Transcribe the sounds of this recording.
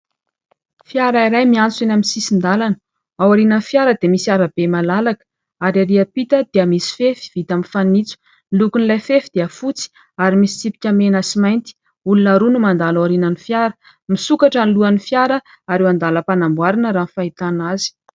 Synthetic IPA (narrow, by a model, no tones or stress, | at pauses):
fjaɾaiɾajmiant͡sinamisisind̪alanə̥ | awaɾinənfjaɾəd̪emisiaɾab̥emalalakə̥ | aɾaɾiapit̪əd̪̥eəmisi̥fefi̥v̥it̪aminfanit͡su̥ | milukunlajfefid̪̥eəfut͡si̥ | aɾimisi̥t͡sipi̥kʲamenəsimajnt̪i̥ | ulunaɾunumand̪alawaɾinanifjaɾə̥ | misukaʈ͡ʂanluanifjaɾə | aɾewand̪aləpanambwaɾinəɾaːnfait̪anazi̥